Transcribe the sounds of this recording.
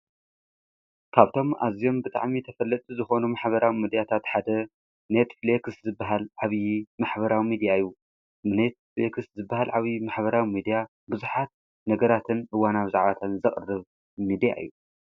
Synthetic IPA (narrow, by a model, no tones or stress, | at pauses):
kʰaβt̪ʰo̞mʔa̰zijo̞mbɨt̪ʼa̰ʕmit̪ʰɐfɐlːɐt̪ʼuzɨxo̞numaħbɐɾawimid̪ijat̪ʰat̪ħad̪ɐ | net̪flekɨszɨbːaɦalʕaβjimaħbɐɾawimid̪ijaɨjːu | net̪̚flekɨszɨbːahalʕaβjimaħβɐɾawimid̪ija | bɨzuħat̪̚ | nɐɡɐɾat̪ʰɨnʔɨwanawizaʕβat̪ʰanzɨχʼɨrɨβ | mid̪ija̰ʔɨ̰jːu